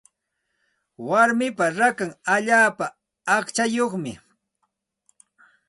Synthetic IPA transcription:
waɾmɪpaɾakaŋaʎaːpaː | χt͡ʃajoχmɪ

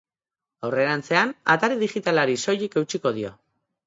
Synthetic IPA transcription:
awre̞ɾant͡se̞ana̰t̪aɾeðixit̪alaɾiso̞jike̞wt͡ʃiko̞ð̞io̞̰

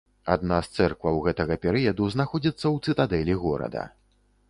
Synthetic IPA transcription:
a̰d̪nast̪sɛrkvˠɐwɣɛt̪ɐɣɐpʲɛɾɨjɐd̪uznaxɔd͡zʲit̪sːɐwt̪sɨt̪ad̪ɛlʲiɣɔɾɐ̰d̪ɐ̰

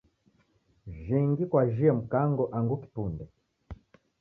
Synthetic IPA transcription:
ʒiŋɡikwaʒiɛm̩kaŋɡɔʔaŋɡuki̥pundɛ

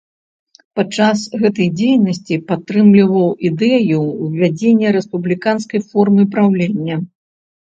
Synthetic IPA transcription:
pat͡ʂːasɣɛt̪ɐjd͡zʲejnɐsʲt͡sʲipat̪ːɾɨmlʲivɐwid̪ɛjuvʲad͡zʲenʲːɐɾɛspublʲikanskɐjfɔrmɨpɾawlʲenʲːɐ

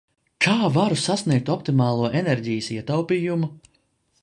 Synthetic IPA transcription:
kʰaːvaɾusasniɛk̚t̪ɔpt̪imaːlˠuɔʔenɛɾʲɟijəsiɛt̪awpiːjumu

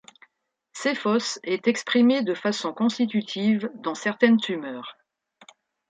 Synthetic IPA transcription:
sefɔsɛt̪ɛkspχimed̪əfasɔ̃kɔ̃st̪it̪yt̪ʰivd̪ɑ̃sɛʁt̪ɛnt̪ymœːʁ

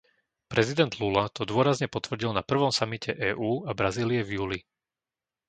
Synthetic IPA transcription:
pɾʔɛzid̪ɛnd̪lulat̪ʰɔd̪ʊɔɾazɲɛpɔt̪ʋr̩ɟilnapr̩ʋɔmsamicʰɛʔɛːʔuːabɾaziːliɛvjuːli

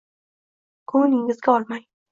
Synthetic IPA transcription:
kʰonɪŋɪzɡʲaɒlˠmaj

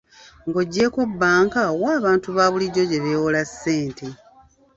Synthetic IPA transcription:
ŋɡo̞ɟːe̞ːko̞bːaːŋkawaːβaːntuβaːβuliɟo̞ɟe̞βewolasːe̞ːntʰe

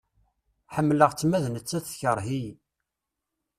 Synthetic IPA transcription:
ħəmːləʁt͡sːmæðnət͡sːæθçəɾˤɦij

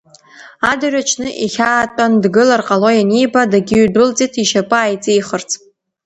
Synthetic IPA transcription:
adarʲat͡ʃʰnɨʔiχʲaːtʷʼandɡɨlarqʼalo̞janijbadaɡʲɪɥdʊlt͡sʼitʰiʃapʼɨajt͡sʼijχərt͡sʰʼ

